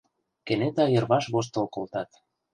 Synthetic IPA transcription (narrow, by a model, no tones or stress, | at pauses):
kenet̪ɑjɤ̆rβɑʃɣoʃ̬t̪olkolt̪ɑt̪